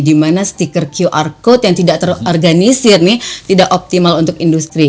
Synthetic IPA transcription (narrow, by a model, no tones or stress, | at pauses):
dimanast̪ikərkiuʔarkʊt̪̚jaŋt̪idaʔt̪ərorɡanisɪrnɪt̪idaʔop̚t̪imalunt̪ʊkindust̪ɾi